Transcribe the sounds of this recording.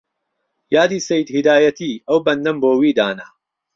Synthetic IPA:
jaːd̪iːsɐjd̪hid̪aːjɐt̪iːʔɐwbɐnd̪ɐmboːwiːd̪aːnɐ

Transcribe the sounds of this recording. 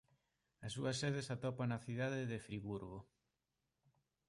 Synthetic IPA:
ɐsuɐseð̞esat̪ɔpanɐθiðaðɪðefɾiβuɾɣo

